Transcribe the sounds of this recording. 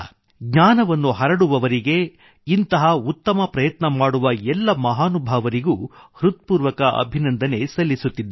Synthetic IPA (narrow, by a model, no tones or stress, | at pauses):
ɡɲaːnɐʋɐnːuɦɐɾɐɽuʋɐʋɐɾiɡe̞ | int̪ɐɦɐut̪ːɐmɐpɾɐjɐt̪nɐmaːɽuʋɐɛlːɐmɐɦaːnubʱaːʋɐɾiɡuːhɾut̪̚puːɾʋɐkɐʔɐ̰bʱinɐnd̪ʱɐne̞sɐlːisut̪ːid̪ː